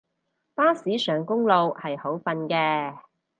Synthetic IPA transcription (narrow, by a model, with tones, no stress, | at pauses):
paː˥siː˨˥sœː˨˩ŋkʊ˥ŋlo˨whɐ˨jho˨˥wfɐ˧nkɛː˧